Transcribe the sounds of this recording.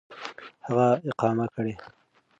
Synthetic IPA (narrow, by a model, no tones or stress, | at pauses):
haɣaɪqɑːmakəɽe